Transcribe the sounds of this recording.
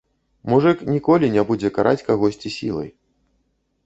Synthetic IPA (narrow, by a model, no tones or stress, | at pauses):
muʐɨknʲikɔlʲinʲɛbud͡zʲɛkaɾʔa̰t͡sʲkaɣɔsʲt͡sʲisʲḭlˠɐ̰j